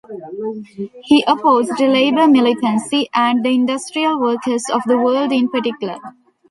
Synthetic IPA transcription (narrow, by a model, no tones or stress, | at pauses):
hiːʔəpoːzɖuleɪbəɾmɪlɪʈə̃nsiʔæ̃ɳɖd̪əɪ̃ɳɖʌsʈɾiəlʋəːkəɾzɔʋd̪əʋəːlɖɪ̃npəʈɪkjʊlə̰ɾ